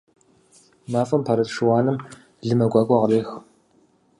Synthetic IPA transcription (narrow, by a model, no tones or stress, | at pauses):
maːfʼɐmpʰɐɾɐtʂɨwaːnɨm | ɮɨmɐɡʷʼɑːkʷʼɐʁreːx